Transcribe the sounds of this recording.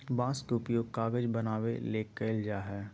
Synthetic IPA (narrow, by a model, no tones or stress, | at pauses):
bãːskeʊpjoːɡkaːɡəd͡ʒbɐnaːʋḛleːkːəɪld͡ʒaːɦɛː